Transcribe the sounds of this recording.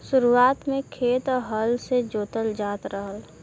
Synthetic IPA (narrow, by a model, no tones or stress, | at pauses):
sʊɾuaːt̪mẽkʰeːt̪ɔɦəlsed͡ʒoːt̪əld͡ʒaːt̪ɾəɦəl